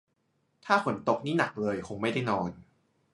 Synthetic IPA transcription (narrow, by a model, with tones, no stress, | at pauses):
t̪ʰaː˥˩kʰo˩˦nt̪o˨˩k̚niː˦˥˩na˨˩k̚lɤː˧jkʰo˧ŋma˥˩jda˥˩jnɔː˧n